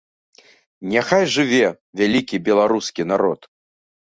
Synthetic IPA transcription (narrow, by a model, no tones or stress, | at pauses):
nʲaxajʐɨvʲɛ | vʲalʲikʲibʲɛlˠaɾuskʲin̪aɾɔt̪